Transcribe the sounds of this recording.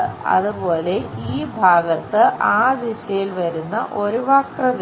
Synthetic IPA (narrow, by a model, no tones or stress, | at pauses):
ɐ̰ðubo̞ːle̞ʔiːbʱaːɡɐt̪ːɨʔaːd̪iɕɐjilʋɐɾunːɐ̰ʔo̞ɾuʋaːkrɐd̪